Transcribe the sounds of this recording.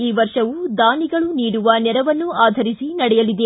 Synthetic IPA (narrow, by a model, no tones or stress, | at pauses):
iːʋɐɾʂɐʋud̪aːniɡɐɭuniːɽuʋɐnɛɾɐʋɐnːuaːd̪ʱɐɾisinɐɽɛjɐlid̪e